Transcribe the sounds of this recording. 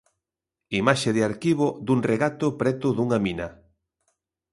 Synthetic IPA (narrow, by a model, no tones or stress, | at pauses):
imaʃeðɪaɾkiβod̪uŋreɣat̪ʊpɾɛt̪ʊðuŋaminɐ